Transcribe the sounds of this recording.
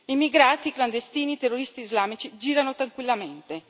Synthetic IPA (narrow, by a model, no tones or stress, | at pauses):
imiɡɾaːt̪ikland̪est̪iːnit̪erːoɾist̪iːzlaːmit͡ʃid͡ʒiːɾanot̪ɾaŋkwilːament̪e